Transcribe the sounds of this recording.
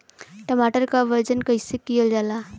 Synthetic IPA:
ʈəmaʈəɾkaʋəɾd͡ʒənkəjsekijəld͡ʒala

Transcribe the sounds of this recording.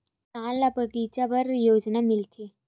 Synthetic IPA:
t̪alːapəɡit͡ɕjaʋəɾjod͡znamilt̪ʰe

